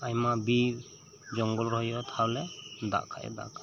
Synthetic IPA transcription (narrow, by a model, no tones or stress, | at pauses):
ajmabi | d͡ʒɔŋɡɔlɾɔɦjɔt̪ʰawlɛd̪a̰ʔkʰaʔɛ̰d̪a̰ʔkʰa